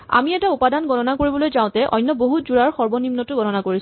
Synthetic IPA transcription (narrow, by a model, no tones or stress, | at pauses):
a̰miɛtaupadanɡɔnɔnakoɹibɔlojzãʊ̃tɛʔɔ̰jnːɔboɦutzuɹaɹxɔɹbɔnimnɔtʊɡɔnɔnakoɹis